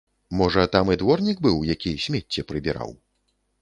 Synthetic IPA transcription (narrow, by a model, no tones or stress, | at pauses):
mɔʐɐt̪amɨd̪vɔrnʲiɡ̚bɨwjakʲisʲmʲɛt͡sʲːɛpɾɨbʲɛɾa̰w